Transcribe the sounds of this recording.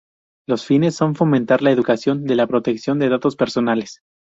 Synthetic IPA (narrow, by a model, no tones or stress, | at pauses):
lo̞sfine̞sːo̞ɱfo̞mẽnt̪aɾlae̞ðukasjo̞nd̪e̞lapɾo̞t̪e̞ksjo̞nd̪e̞ð̞at̪o̞spe̞ɾso̞nales